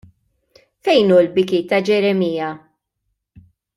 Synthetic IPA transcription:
fɛjnuːlbɪkiːt̪ːɐd͡ʒɛɾɛmiːɐ

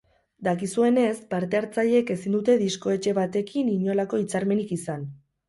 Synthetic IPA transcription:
d̪akisue̞ne̞spaɾt̪e̞aɾt͡saʎe̞ke̞sind̪ut̪e̞ðisko̞e̞t͡ʃe̞βat̪e̞kiniɲo̞lako̞it͡saɾme̞nikisan

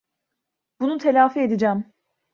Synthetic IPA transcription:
bunut̪ʰelʲaːfied̪id͡ʒæm

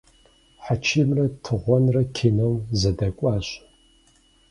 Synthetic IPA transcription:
ħat͡ʃʰɪmrɐtʰɨʁʷɔnrɐkʲʰɪnɐwzɐdɐkʷʼɑːɕʼ

